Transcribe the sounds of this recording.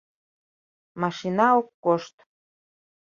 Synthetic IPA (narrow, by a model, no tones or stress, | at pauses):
mɑʃinɑokːoʃt̪